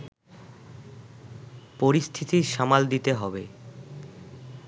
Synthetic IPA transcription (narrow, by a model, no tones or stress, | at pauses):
poɾist̪ʰit̪iʃamald̪it̪eɦɔbe